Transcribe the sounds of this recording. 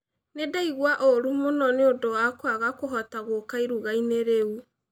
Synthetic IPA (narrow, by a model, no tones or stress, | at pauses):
nedaiɣwaʔoɾumonɔneodowakwaɣakoɦɔtaɣokaiɾuɣaineɾeu